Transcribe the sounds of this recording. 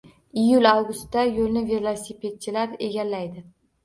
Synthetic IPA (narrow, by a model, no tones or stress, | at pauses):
ɪjʊlawɡʊst̪ːajolnɪvelˠɒsipʰe̞t̪̚t͡ʃʰɪlaɾe̞ɡʲallːajd̪ɪ